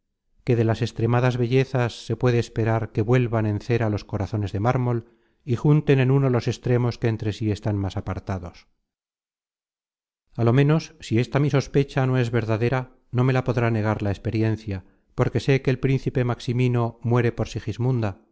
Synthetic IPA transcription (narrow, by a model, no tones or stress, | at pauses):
ke̞ðe̞lase̞st̪ɾe̞maðazβe̞ʝe̞θasːe̞pwe̞ðeːspe̞ɾaɾke̞βwe̞lβanẽ̞nθe̞ɾalo̞sko̞ɾaθo̞ne̞zðe̞maɾmo̞l | ixunt̪e̞ne̞nunolo̞se̞st̪ɾe̞mo̞ske̞ːnt̪ɾe̞sie̞st̪anmasapaɾt̪aðo̞s | alo̞mẽ̞no̞sːie̞st̪amiso̞spe̞t͡ʃano̞e̞zβe̞ɾðaðe̞ɾa | no̞me̞lapo̞ðɾane̞ɣ̞aɾlaespe̞ɾje̞n̟θja | po̞ɾke̞se̞ke̞ːlpɾĩn̟θipe̞maksimino̞mwe̞ɾepo̞ɾsixizmund̪a